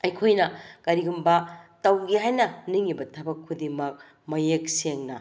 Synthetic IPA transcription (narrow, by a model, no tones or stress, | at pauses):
ɐjkʰojnɐkɐɾiɡumbɐtɐwɡiɦajnɐniŋibɐtʰɐbɐkʰːudimɐk̚ | mɐjek̚seŋnɐ